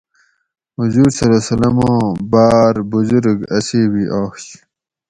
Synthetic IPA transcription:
huzuːɾsɐlesɐlɐmõːbaːɾbuzuɾɡɐsiːwiʔaːxɕ

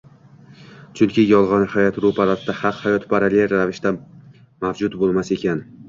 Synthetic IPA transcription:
t͡ʃʰʊŋkʲɪjɒlˠʁɒnhajɒt̪ɾupʰaɾat̪d̪ahaqhajɒt̪ʰpʰaɾalʲejɾavɪʃt̪a | mavd͡ʒʊt̪bolˠmase̞kʲan

